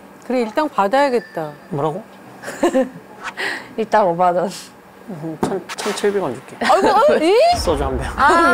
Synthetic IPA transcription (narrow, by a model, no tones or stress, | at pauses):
kɯɾeiɭt͈aŋpadajaɡe̞t̚t͈amʌɾaɡo | it͈aŋʌbadʌn | ɯt͡ɕʰʌnt͡ɕʰʌnt͡ɕʰiɭbeɡʌnd͡ʑuk͈e | s͈ʌd͡ʑoɦamba